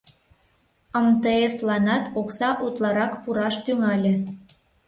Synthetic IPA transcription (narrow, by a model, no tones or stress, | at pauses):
əmt̪ɤeslɑnɑt̪oksɑʔut̪lɑɾɑkpuɾɑʃt̪yŋɑlʲĕ